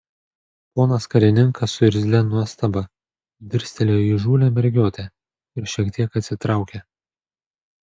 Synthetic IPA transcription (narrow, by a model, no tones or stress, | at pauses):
poːnɐskɐɾʲɪnʲɪŋkʰɐsʊɪɾʲzʲlʲɛnuɔst̪ɐbɐ | d̪ʲɪɾʲsʲt̪ʲɛlʲeːjiʒuːlʲɛmʲɛɾʲɡʲoːt̪ʲɛ | ɪɾʃʲiɛkt̪ʲiɛkɐt̪ʲsʲɪt̪ɾɑˑʊkʲe